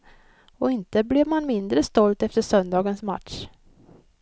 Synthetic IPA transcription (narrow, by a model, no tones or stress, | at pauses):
ɔɪnt̪əblɛvmanmɪnd̪ɾəst̪ɔlt̪ɛft̪əʂœnd̪ɑːɡənsma̰t̪ʂ